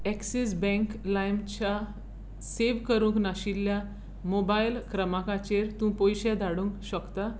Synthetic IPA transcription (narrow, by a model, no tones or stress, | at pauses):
ɛksis̬bɛ̃ŋklajmt͡ɕa | seʋkəɾũknaɕilːja | mobajlkɾəmakat͡ɕeɾt̪ũpojɕɛd̪ʱaɽũːŋkɕəkt̪a